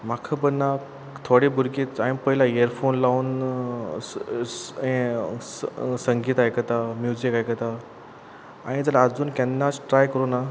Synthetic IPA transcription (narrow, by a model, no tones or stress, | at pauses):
m̤akʰəbənːa | t̪ʰoɽibʱuɾkiːt̪aɽ̃ipəɦilaeəɾfonlauːn | ẽ | səŋɡʱiːt̪ajkət̪amjud͡zikajkət̪a | a̰ɽ̃id͡zəlaːd͡zuːnkɛ̃nːasʈɾajkəɾuna